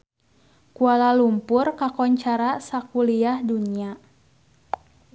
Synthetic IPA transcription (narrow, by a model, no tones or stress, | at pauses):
kualalumpʊrkakɔɲt͡ʃaɾasakuliahdunia